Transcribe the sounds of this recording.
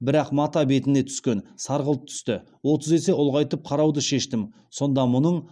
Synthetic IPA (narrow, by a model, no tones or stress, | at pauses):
bɪɾɑqmɑt̪ɑbe̞t̪ɪne̞t̪ʰʏ̥skʲe̞nsɑɾʁəlˠp̚t̪ʰʏ̥st̪ɪ | wo̞t̪əze̞se̞ʊlˠʁɑjt̪əp̚qʰɑɾɑwd̪əʃe̞ʃt̪ɪm | so̞nd̪ɑmʊnəɴ